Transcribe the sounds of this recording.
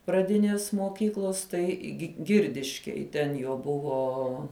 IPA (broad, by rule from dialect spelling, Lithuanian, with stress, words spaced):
prɐˈdʲɪnʲeːs moːˈkʲiːklˠoːs ˈtɐɪ ɡʲɪ ˈɡʲɪrʲdʲɪʃʲkʲeːj tʲɛn ˈjoː ˈbʊʋoː